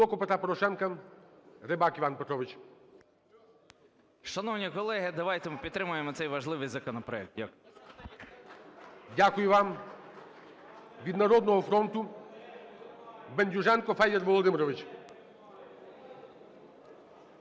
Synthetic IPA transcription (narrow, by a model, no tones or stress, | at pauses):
ɔkɔpet̪ɾapɔɾɔʃɛnkɐ | ɾɪbakiʋanpet̪ɾɔʋɪt͡ʃ | ʃɐnɔwnʲikɔlˠɛɦɪd̪ɐʋajt̪ɛmpʲid̪t̪ɾɪmʊjemɔt̪sɛjʋɐʒlˠɪʋɪjzɐkɔnɔpɾɔɛk̚t̪jɐk | dʲakʊjʊʋam | ʋʲid̪nɐɾɔd̪nɔɦɔfɾɔnt̪ʊ | benʲdʲuʒɛnkɔfɛjd̪ɛrʋɔlˠɔd̪ɪmɾɔʋɪt͡ʃ